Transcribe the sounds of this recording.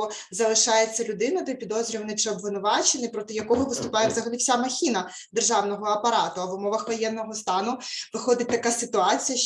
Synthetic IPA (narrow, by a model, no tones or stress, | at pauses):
ɔ | zɐlˠɪʃɑjet͡sʲːɐlʲʊd̪ɪnɐd̪ɔjpʲid̪ɔzʲɾʲiʋnɪt͡ʃɪɔbʋɪnʊʋɑt͡ʃenɪjpɾɔt̪ɪjɐkɔɦɔʋɪst̪ʊpɑjewzɐɦɐlʲifsʲamɐxʲinɐ | d̪erʒɑwnɔɦɔɐpɐɾɑt̪ʊɐʋʊmɔʋɐxʋɔjɛnːɔɦɔst̪ɑnʊʋɪxɔd̪ɪt̚ʲt̪ɐkasɪt̪ʊɑt͡sʲijɐ